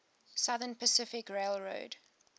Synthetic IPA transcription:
sʌðənpəsɪfɪkɹeɪlɹo̰ʊd̥

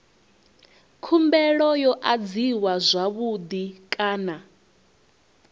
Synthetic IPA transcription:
kʰumbɛɺɔjɔʔad͡ziwazʷaβud̪ikʼaːna

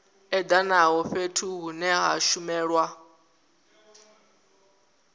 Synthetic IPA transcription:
ɛd̪anaɦɔɸetʰuɦunɛɦaʃumɛːɺwa

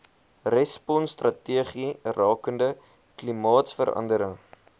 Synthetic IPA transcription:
rɛspɔnstrɐtiəχirɑːkəndə | klimɑːtsfəɾɐ̰ndəɾəŋ

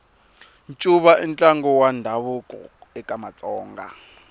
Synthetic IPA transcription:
nt͡ʃʼuβaʔint͡ɬʼaŋɡɔwandʱaβukʼɔ̰ɛkʼamat͡sʼɔːŋɡa̰

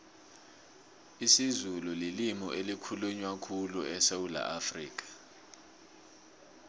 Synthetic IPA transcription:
isizululilimɔʔelikʰuluɲwakʰuluɛsewula̰ʔafrḭːk̬ʼḁ

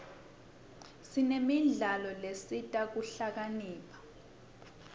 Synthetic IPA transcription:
sinemiɮalɔlesitʼak̬uɬak̬aniːpʰḁ

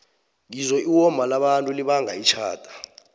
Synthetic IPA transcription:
ŋizɔʔiwɔmbʱalaɓantʼuliɓaŋʱait͡ʃʰa̰ːtʼḁ

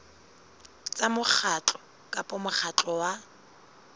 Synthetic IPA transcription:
t͡sʼamʊk͡xʰat͡ɬʼɔ̥ | kʼapʼɔmʊχʰat͡ɬʼɔwa

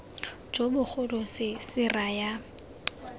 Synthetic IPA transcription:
d͡ʒobʊχʊlʊsɪsɪraja

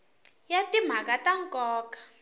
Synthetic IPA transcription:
jatim̤akataŋkʼɔːkḁ

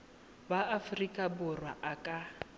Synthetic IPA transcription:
baafrikʼabʊrwa̰ʔakʼa

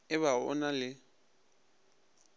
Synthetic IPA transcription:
ɪβaɔ̰nalɪ

